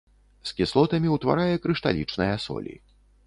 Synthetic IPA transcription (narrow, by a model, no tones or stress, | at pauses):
skʲislˠɔt̪ɐmʲiwt̪va̰ɾajɛkɾɨʂt̪a̰lʲḭt͡ʂnɨjɐsɔ̰lʲḭ